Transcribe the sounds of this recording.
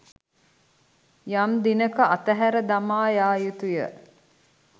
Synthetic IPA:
jamd̪inəkəat̪æɦæɾəd̪amaːjaːjut̪ujə

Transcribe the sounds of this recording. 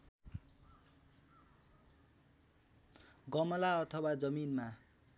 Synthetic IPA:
ɡʌmʌlaʌt̪ʰʌwad͡zʌminma

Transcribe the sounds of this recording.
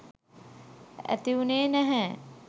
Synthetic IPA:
æ̰t̪iuneːnæɦɛ

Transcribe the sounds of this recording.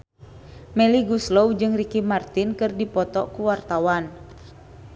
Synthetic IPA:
mɛliɡuslowd͡ʒɨŋrikimart̪inkɨrdipɔt̪ɔkuwart̪awan

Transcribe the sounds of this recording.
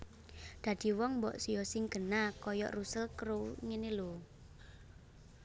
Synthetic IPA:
d̪̥ä̤d̪̥i̤wɔŋmbɔʔsijɔsɪŋɡ̥ə̤nakɔjɔ̰ʔrusəlkəɾoŋenelo

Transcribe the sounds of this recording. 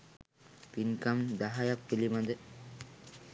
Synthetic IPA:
piŋkamd̪aɦajapːilimad̪ə

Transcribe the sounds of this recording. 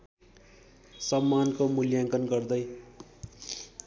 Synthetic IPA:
sʌmːankomuljaŋkʌnɡʌrd̪ʌj

